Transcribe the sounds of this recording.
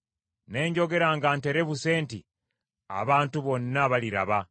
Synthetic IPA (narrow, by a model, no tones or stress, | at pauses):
ne̞ːɲɟo̞ɡe̞ɾaŋɡante̞ɾe̞βuse̞ːnti | a̰βaːntuβo̞nːaβaliɾa̰βa